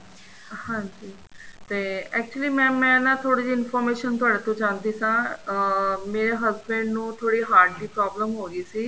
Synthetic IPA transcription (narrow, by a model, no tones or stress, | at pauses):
hãːɲd͡ʑiː | t̪eːɛːk̚t͡ʃuəliːmɛ̃ːmɛ̃ːnãt̪ʰoːɽid͡ʑiɪnfɔːɾmeːʃənt̪ʊaːɽet̪õt͡ʃãːnd̪isãː | meːɾeɦəzbɛ̃ɳɖnũːt̪ʰoːɽiɦaːɾɖliːpɾɔːbləmɦoːɡiːsiː